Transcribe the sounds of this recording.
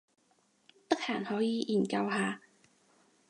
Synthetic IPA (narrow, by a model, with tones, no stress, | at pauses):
t̪ɐ˥k̚haː˨˩nhɔː˨˥jiː˨˧jiː˨˩nkɐ˧wɦaː˧